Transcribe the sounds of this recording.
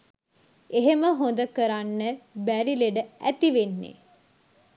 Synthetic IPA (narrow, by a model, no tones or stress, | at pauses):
eɦeməɦond̪əkəɾanːəbæɾileɖəæt̪iʋenːḛ